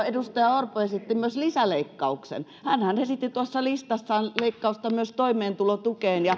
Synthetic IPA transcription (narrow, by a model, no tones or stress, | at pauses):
edust̪ɑjɑorpoesit̪ːimyøslisæleikːɑuksḛn | hænhænesit̪ːit̪uɑsːɑlist̪ɑsːɑːnleikːɑust̪ɑmyøst̪oimeːnt̪ulot̪ukeːnjɑ